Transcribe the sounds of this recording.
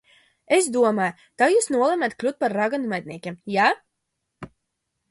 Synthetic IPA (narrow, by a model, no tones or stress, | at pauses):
esd̪uɔmaj | t̪ajuːsnuɔlˠɛmʲɛt̪klʲut̪̚paɾːaɡanumɛd̪̚ʲnʲiɛkʲiɛmja